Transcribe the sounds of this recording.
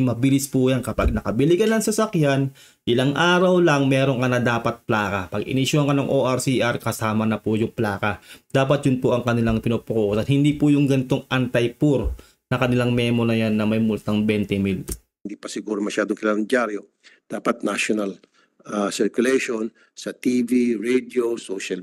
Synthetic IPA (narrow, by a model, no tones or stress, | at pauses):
mɐbɪlɪspʊjankɐpaɡ̚nɐkɐbɪlɪɡɐnːɐŋsɐsɐkjan | ʔɪlaŋʔaːɾɐwlɐŋmɛːɾo̞ŋkɐnɐd̪aːpɐt̪̚plaːkɐpɐɡɪ̰nɪʃʊhɐŋkɐnɐŋʔoːʔɐɾsiʔɐɾkɐsaːmɐnɐpʊjʊŋplaːkɐd̪̥aːpɐt̪̚jʊnpoʔɐŋkɐnɪlaŋpɪnoːpʊkoʔosɐnhɪnd̪ipʊjʊŋɡɐnɪt̪o̞ŋʔɐnt̪ɐjpʊɾ | nɐkɐnɪlaŋmɛːmonɐjanːɐmɐjmʊlt̪aŋbɛnt̪ɛmil | nd̪iːpɐsɪɡuːɾomɐʃaːd̪oŋkɪlaːlɐŋd͡ʒaɾjo | d̪̥aːpɐt̪̚naʃonal | asɪɾkʊlɛjʃon | sɐt̪iviɹɛd̪iosoʃɐl